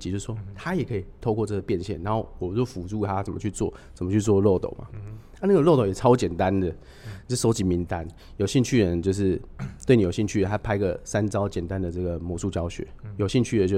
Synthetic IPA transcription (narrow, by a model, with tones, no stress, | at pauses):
t͡ɕi˨˧t͡ɕjo˥˧ʂ̩˥˩ʂwɔ˥t̪ʰa˥jɛ˨˩kʰɤ˧˥i˨˩t̪ʰo˥˧ʊkwɔ˥˧t͡sɤ˥˩ɡə˩pjɛ˥˧nɕjɛ˥˩nːa˧˦xo˥˩ʊwɔ˨˩t͡ɕɔ˥˩ʊfu˨˩t͡su˥˧˩t̪ʰa˦t͡sə˨˩mə̰˨˦t͡ɕʰy˥˧t͡swɔ̰˥˩t͡sə˨˩mə˦t͡ɕʰy˥˧t͡swɔ˥˧lɔ˥˩t̪o̰˨˩ʊma̰˨ | a˥˧na˥ɡə˧lo˥˩t̪o˨˩ʊjɛ˨˩t͡sʰɑ˥ʊt͡ɕjɛ˨˩nt̪a˦˥nd̪ə˨˥˩ | ʂo˧˥ʊt͡ɕi˨˦mi˧˥nt̪a˦n | jo˨˩ʊɕi˥˧nt͡ɕʰy˥˩ɻə˨˦nt͡ɕjo˥˧ʊʂ̬ɻ̩˥˩t̪we˥˩ni˨˩jo˨˩ɕi˥˧nt͡ɕʰy˥˩ɻə˧˦nt̪ʰa˥pʰa˥ɪɡə˨˩sa˦nt͡sɑ˥˦ʊt͡ɕjɛ˨˩nt̪a˦nd̪ə˨˩t͡sɤ˥˩ɡə˩mwɔ˧˥su˥˩t͡ɕjɑ˥ʊɕɥɛ̰˧˦jo˨ʊɕi˥˧nt͡ɕʰy˥˩ə˨˦t͡ɕjo˥˧˩